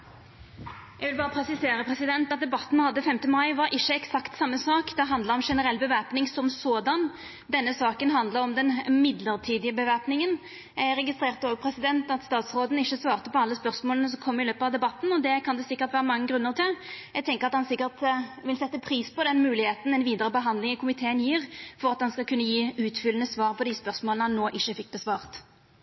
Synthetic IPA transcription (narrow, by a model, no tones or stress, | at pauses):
jæɡʋɪlbɑːʁəpʰɾɛsɪseːɾəpʰʁɛsɪd̪ɛnt̪ɑt̪̚d̪ɛbɑt̪ːn̩ɛnhɑd̪ːəfɛmt̪əmɑɪʋɑɾʔɪçːəɛksɑkt̪sɑmːəsɑːkd̪ɛɦɑnd̪ləʁɔmʂɛnəɾɛlːbəʋæːpnɪŋsɔmsoːd̪ɑn | d̪ɛnːəsɑːkənɦɑnd̪ləɾɔmd̪ɛnmɪd̪ləʁt̪ʰiːd̪ɪəbəʋæːpnɪŋən | ʁɛɡɪst̪ʁeːʁt̪əoːɡpʰɾɛsɪd̪ɛnt̪ɑt̪st̪ɑːt̪sʁoːd̪n̩ɪçːəsʋɑːʁt̪əpɔɑlːəspœʁsmoːlənəs̬ɔkʰɔmːəʁɪløːpəɑʋd̪ɛbɑt̪ːn̩ɔd̪ɛkʰɑnd̪ɛsɪkːəʁt̪ʋæːʁəmɑŋːəɡʁʉnːəʁt̪ɪljɛɡt̪ʰɛŋkəʁɑt̪hɑnsɪkːəʁt̪ʋɪlsɛt̪ːəpʰɾiːspʰɔd̪ɛnmʉːlɪheːt̪n̩ɛnʋiːd̪əʁəbəɦɑnd̪lɪŋɪkʰʊmɪt̪ʰeːənjiːʁfɔɾʁɑt̪hɑnskɑlkʰʉnːəjiːʉːt̪fʏlːənəsʋɑːʁpʰɔd̪ispœʁsmoːlnhɑnːoːʔɪçːəfɪk̚ːbɛsʋɑːʁt̪